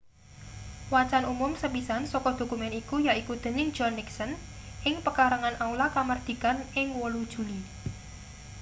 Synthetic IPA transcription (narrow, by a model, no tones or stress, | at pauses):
wat͡ʃanumʊmsəpisansɔkɔd̪̥o̤kumɛnikujaʔikud̪̥ə̤nɪ̥d͡ʒ̥ɔnːɪksən | ʔɪŋpəkaɾəŋanʔaulakamard̪̥i̤kanɪŋwolud̥ʒ̥ṳli